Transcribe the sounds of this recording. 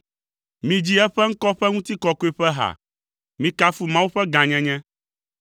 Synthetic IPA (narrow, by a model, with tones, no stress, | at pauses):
mĩ˨d͡ʑi˦ɛ˦ɸɛ˦ŋ̩˦kɔ˦ɸɛ˦ŋũ˦t̪i˦kɔ˨ko˦i˦ɸɛ˦ɦa̰˨ | mĩ˨ka˦fu˨mã˦wu˦ɸɛ˦ɡã˨ɲɛ̃˦ɲɛ̃˦